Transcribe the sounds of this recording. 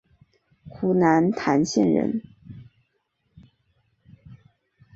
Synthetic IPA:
kʰu˧˥na˧˥nt̪ʰa˧˥nɕjɛ˥˩nɻə̰˧˥n

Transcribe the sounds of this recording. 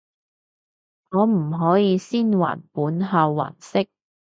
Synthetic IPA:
ŋɔː˨˧m̩˨˩ɦɔː˨˥jiː˨˧siː˥nwa̰ː˨˩npuː˨˥nɦa˨˧wːa̰ː˨˩nsɪ˥k̚

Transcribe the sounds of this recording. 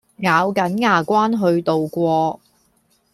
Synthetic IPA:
ŋaː˨˧wkɐ˨˥nŋaː˨˩kʷaː˥nɦɵ˧ɥt̪o˨wkʷɔː˧

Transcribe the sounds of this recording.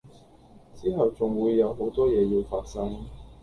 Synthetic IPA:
t͡siː˥ɦɐ˨wt͡sʊ˨˩ŋwuː˨˧jːɐ˨˧wɦo˨˥wt̪ɔː˥jɛː˨˧ji˧wfaː˧t̚sɐ˥ŋ

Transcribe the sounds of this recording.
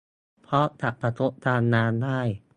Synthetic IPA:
pʰɾɔ˦˥t̪a˨˩ʔpa˧k̪ʰo˦˥ʔ̚t̪aː˧nːaː˧ndaː˥˩j

